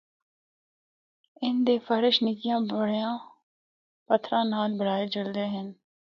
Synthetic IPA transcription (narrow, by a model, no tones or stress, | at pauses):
ɪnd̪eːfʰəɾɪʃnɪkɪjãːəɽjãː | pət̪ʰːɾãːnaːlbəɽaːed͡ʒəld̪eːɦən